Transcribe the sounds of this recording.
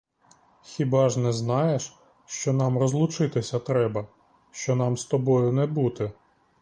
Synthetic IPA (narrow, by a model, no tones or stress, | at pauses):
xʲibɑʒnɛznɑjeʃ | ʃt͡ʃɔnɑmrɔzlˠʊt͡ʃɪt̪ɪsʲɐt̪ɾɛbɐ | ʃt͡ʃɔnɑmst̪ɔbɔjʊnɛbut̪ɪ